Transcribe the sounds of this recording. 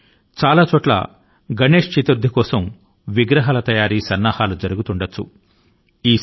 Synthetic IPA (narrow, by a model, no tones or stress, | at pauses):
t͡ʃaːlaːt͡ʃɔːʈlɐ̰ | ɡɐne̞ːʂt͡ʃit̪uɾd̪ʱːikɔːsɐm | ʋiɡɾɐɦɐlɐt̪ɐjaːɾiːsɐnːaːhaːlud͡ʒɐɾuɡut̪uɳɖɐt͡ʃːṵ | iː